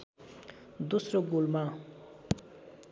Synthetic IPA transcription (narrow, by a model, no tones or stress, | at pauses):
d̪osɾoɡulmã